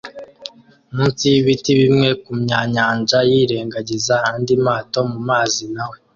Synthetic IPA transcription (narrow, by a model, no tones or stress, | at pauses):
muːnsijiβitiβimŋe̞kumɲaːɲaːnd͡ʒajiːɾe̞ːŋɡaɟizahaːndimaːto̞mumaːzinawe